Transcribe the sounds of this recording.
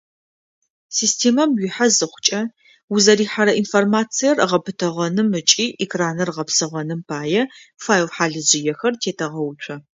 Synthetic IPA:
siːstʰeːmɐmɥiħazɨχʷʊ̥t͡ʃʼɐ | wʊzɐɾiːħaɾɐʔinformaːt͡sʰijɐrʁɐpʰɨtʰɐʁɐnɨmɨt͡ʃʼiːʔekʰraːnɐrʁɐpsɨʁɐnɨmpʰaːjɛfaːjwħaːɮɨʑɪjɛxɐrtʰeːtʰɐʁɐwʊt͡ʃʷʰʼɐ

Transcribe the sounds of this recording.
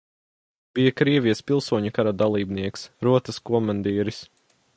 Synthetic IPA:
b̥ijɐkɾiɛvijspilˠsuɔɲukaɾad̪alˠiːbniɛksɾuɔt̪ɐskɔmand̪iːɾis

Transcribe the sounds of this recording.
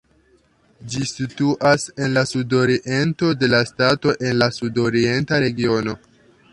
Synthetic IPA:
d͡ʒisituʔase̞nlasudo̞ɾiʔe̞nto̞de̞lastato̞ʔe̞nlasudo̞ɾie̞ntaɾe̞ɡio̞no̞

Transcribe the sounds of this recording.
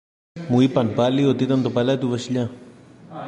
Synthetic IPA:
muipanpaliot̪it̪ant̪opalat̪uβaʃʎa

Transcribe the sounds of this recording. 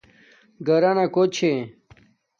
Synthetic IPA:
ɡɐɾanakot͡ɕʰe

